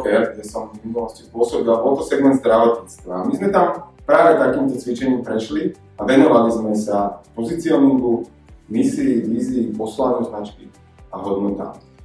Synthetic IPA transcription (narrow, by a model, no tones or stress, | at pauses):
fɛɾɡɟɛsɔminulɔscipʊɔsɔbilabɔlt̪ɔsɛɡmɛnd̪zd̪ɾaʋɔt̪ɲit͡st̪ʋaːmizmɛt̪ampɾaːʋɛt̪akiːmt̪ɔt͡sʋit͡ʃɛɲiːmpɾɛʃli | aʋɛnɔʋalizmɛsapɔzit͡siɔnuɡu | misiːʋiːziːpɔslanɛznat͡ʃki | aɦɔd̪nɔt̪a̰ː